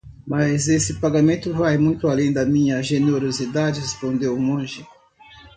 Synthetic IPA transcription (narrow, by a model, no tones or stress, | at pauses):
mazesɪpaɡamẽnt̪ʊvajmũj̃t̪ʊalẽj̃d̪ɐmĩɲɐʒeneɾozid̪ad͡ʒɪhespõnd̪ewmõʒɪ